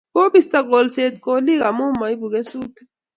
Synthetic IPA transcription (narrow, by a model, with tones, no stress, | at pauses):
ko˦bist̪aɡolset̪̚koli˦ɣa˨mu˦ma˨jbu˨ɣe˦su˦t̪